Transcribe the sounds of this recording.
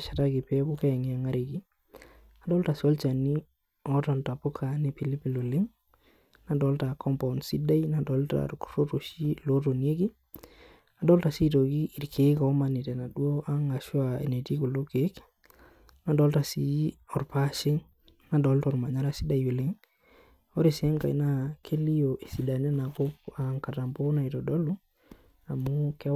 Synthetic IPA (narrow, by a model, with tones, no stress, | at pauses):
ʃa˨ta˦kɪ˨pɛ˦kʊ˦kɛ˦˨ŋɪ˨a˨ŋa˦ɾe˨ki˦ | na˨dɔ˦lta˨siɔ˦lt͡ʃa˨ni˦ | ɔ˦ta˨nta˨pʊ˦kʰa˨ne˦pi˨li˦pi˨lo˨lɪ˦ŋ | na˦dɔ˨˦lta˨kʰɔ˦mpa˨nsi˦da˦i˦na˨dɔ˨˦lta̰rkro˦to˨ʃi˦lo˦to˨nje˦ki˦ | na˨dɔ˦lta˨si˦to˨ki˦ʔi˨ɾkʰe˨˦ka˨ɔ˦ma˨ni˨tɛ˨na˨du˦o˦ʔa˦ŋa˨ʃwa˨e˨ne˨ti˦ku˨lo˦ke˨˦k | na˨dɔ˦lta˨si˦ɔ˨ɾpa˦ʃe˦ŋ | na˨dɔ˨˦ltɔ˨ɾma˨ɲa˦ɾa˦si˦da˨i˨we˨le˦ŋ | o˦ɾe˨sɛ˦ŋka˨ḭ˦na˦kʰe˦li˦jo˨ʔe˨si˨da˨nɛ˦na˨ko˦pa˨ŋka˨ta˨mpo˦na˨i˨tɔ˨dɔ˦lu˦ | a˨mu˦kɛ˦